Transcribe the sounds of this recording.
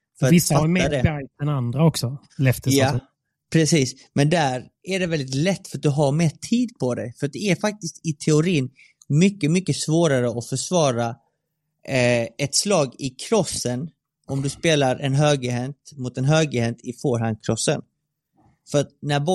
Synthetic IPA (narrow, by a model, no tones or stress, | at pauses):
fœɾamːad̪ɛbɛd̪ɛnand̪ɾaɔksɔ | lɛft̪əja | pʰɾɛsiːs | mɛnd̪æɾæɖɛvɛld̪ɪt̪lɛt̪ːfœɾat̪̚d̪ɵɦaɾmeːʈʰiːd̪pʰɔd̪ɛjfœɾat̪̚d̪ɛæɾfak̚t̪ɪst̪ɪt̪ʰɛʊɾiːn | mʏkːəmʏkːəsvoːɾaɾəɔfœʂvɑːɾa | ɛt̪slɑːɡɪkʰɾɔsːən | ɔmd̪ɵspeːlaɾʔɛnɦøːɡəɦɛnt̪mʊt̪ɛnɦøːɡəhɛnt̪ʰɪfoːɾɦand̪̚kʰɾɔsːə̰n | fœɾat̪̚næɾbɔ